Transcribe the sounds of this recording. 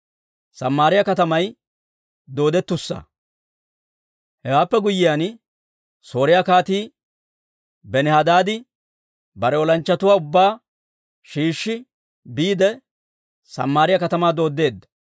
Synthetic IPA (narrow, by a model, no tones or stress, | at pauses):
sɐmːaːɾɪjɐkɐt̪ɐmɐj | d̪o̞ːd̪ɛt̪ːʊsːɐ̰ | hɛwaːpːɛɡʊjːɪjan | so̞ːɾɪjakaːt̪iː | bɛnɛhɐd̪aːd̪ɪ | bɐɾɛɔlɐnt͡ʃːɐt̪ʊwaːʊbːaː | ʃiːʃːɪ | biːd̪ɛ | sɐ̰mːaːɾɪjɐkɐt̪ɐmaːd̪o̞ːd̪ːe̞ːd̪ːɐ̥